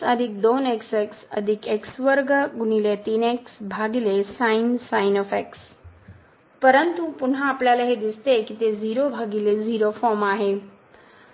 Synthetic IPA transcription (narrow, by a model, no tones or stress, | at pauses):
ɐd̪ʱɪk̚d̪oːnekseksɐ̰d̪ʱɪkeksʋəɾɡɡʊnilet̪iːneksbʱaːɡilesaːɪnsaːɪnɔːfeks | pɐɾənt̪upʊnãəplaləɦed̪ɪst̪ekit̪eziːɾobʱaːɡileziːɾofɔːmaːɦe